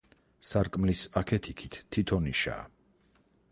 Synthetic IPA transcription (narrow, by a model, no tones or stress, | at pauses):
saɾkʼmlisakʰɛt̪ʰikʰit̪ʰːit̪ʰɔniʃa̰ː